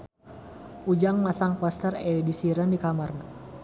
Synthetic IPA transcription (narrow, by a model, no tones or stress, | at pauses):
ud͡ʒaŋmasaŋpɔst̪ərɛdisiɾandikamarna